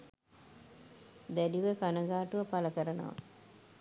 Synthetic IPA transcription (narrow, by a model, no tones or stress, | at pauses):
d̪æɖiʋəkanəɡaːʈuʋəpaləkəɾəno̰ʋɐ̰